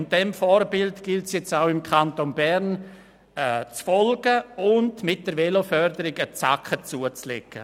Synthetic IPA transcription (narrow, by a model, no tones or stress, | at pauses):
nd̥ɛmfɔːɾbɪltɡ̥ɪltsjɛt͡saʊɪmkʰantonbɛɾn | ɛt͡sfɔlɡəʊndmɪt̚d̥əɾvelofœɾdəɾɪɡət͡sa̰kχət͡suət͡slɛ̰kːə̰